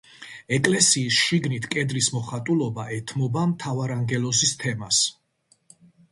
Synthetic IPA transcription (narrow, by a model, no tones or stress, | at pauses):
ɛkʼlɛsiːsʃiɡnit̪ʰkʼɛd̪ɾismɔχat̪ʼulˠɔbaʔɛt̪ʰmɔbamt̪ʰavaɾaŋɡɛlɔsist̪ʰɛmas